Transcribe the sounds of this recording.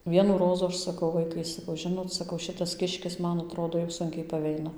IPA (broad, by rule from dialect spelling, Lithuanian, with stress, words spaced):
ˈʋʲiɛnuː ˈroːzuː ˈɐʃ sɐˈkɐʊ ˈʋɐɪkɐɪ sɐˈkɐʊ ˈʒʲɪnoːt sɐˈkɐʊ ˈʃʲɪtɐs ˈkʲɪʃʲkʲɪs ˈmɐn ɐˈtroːdoː jɛʊ ˈsʊŋʲkʲɛɪ pɐˈʋʲɛɪnɐ